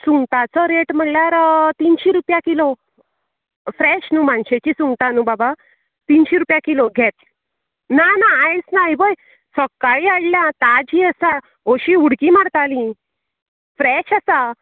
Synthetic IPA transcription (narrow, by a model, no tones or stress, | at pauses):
suŋɡt̪at͡sɔɾeʈm̤əɳljaɾt̪inɕiɾupjakilo | fɾɛɕnumanɕet͡ɕisuŋɡt̪anubaba | t̪inɕiɾupjakiloɡʱɛt̪̚ | nanaːjt͡snajbəj | sɔkːaɭiaɽljãt̪ad͡ʑiəsa | oɕiuɽkimaɽt̪alĩ | fɾɛɕasa